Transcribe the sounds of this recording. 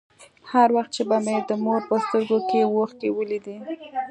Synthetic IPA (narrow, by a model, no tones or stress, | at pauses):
haɾwaxt̪̚t͡ʃebamed̪əmoɾpəst̪əɾɡokewoxkewəlid̪i